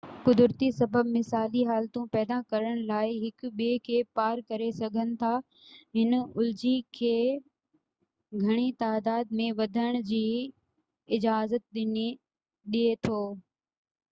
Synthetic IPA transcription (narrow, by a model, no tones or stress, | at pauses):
kʊd̪ʊɾt̪isɐbʱəbmɪsaːliɦaːlt̪ũpɛːd̪akɐɾəɽ̃laːɪɦɪkʊ̆ɓiekʰeːpaːɾkɐɾesɐɡʱənɪ̆t̪ʰa | ɦɪnʊld͡ʑikʰeː | ɡʱɐɽ̃it̪aːd̪aːd̪̚mẽʋɐd̪ʱəɽ̃d͡ʑiː | ɪd͡ʑaːzət̪̚ɗɪni | ɗiet̪ʰoː